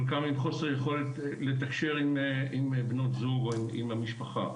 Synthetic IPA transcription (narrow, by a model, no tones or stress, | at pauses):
olkamimχo̞seʁjeχo̞let̪le̞t̪akʃe̞ʁimimbno̞t̪zuɡoimḭmamiʃpaχa̰